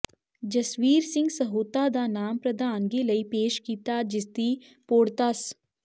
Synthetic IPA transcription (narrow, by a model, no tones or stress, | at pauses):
d͡ʒɐsʋiːɾsɪ̃ŋɡsɐɦoːt̪ad̪anaːmpɾɐd̪aːnɡelɐipeːʃkiːt̪ad͡ʒɪst̪i | poːɽt̪as